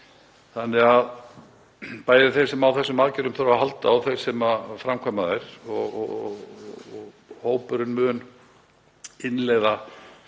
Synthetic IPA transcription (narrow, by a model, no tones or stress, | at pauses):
θanːɛɣað | paːjðɪθejɾ̥sɛmawθɛsːʏmaːðcɛɾʏmθɾvaɦalt̪aawθejɾ̥sɛmafɾamkʰaːmaθejɾ̥ɔɣ | ɣ | hoːwpʏɾʏnmʏːn | ɪnleɣða